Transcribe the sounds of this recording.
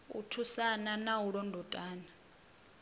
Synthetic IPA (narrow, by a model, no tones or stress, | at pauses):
ṵtʰusananawuɺɔndʱɔtʼaːna